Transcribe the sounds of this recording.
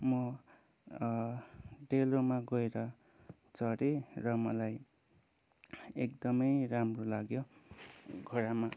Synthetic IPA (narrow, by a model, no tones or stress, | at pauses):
mʌ | ɖelomaɡʌeɾʌ | t͡sʌɽerʌmʌ̰laj | ekd̪ʌmʌjramrolaɡjo | ɡʱʌɾama